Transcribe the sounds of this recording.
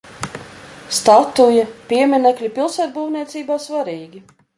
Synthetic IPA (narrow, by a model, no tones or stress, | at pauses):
st̪at̪ujapʲiɛmʲinɛklʲipilˠsæːt̪̚buːwniɛt̪siːbaːsvaɾiːɡʲi